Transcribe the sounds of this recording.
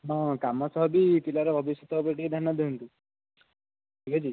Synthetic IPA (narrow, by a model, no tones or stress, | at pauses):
ɔ̃kamɔsɔɦɔbip̪ilaɾɔbʱɔbisjɔt̪ʰɔɦpɾeʈiked̪ʱjanːad̪eɦunt̪u | ʈʰiked͡ʒi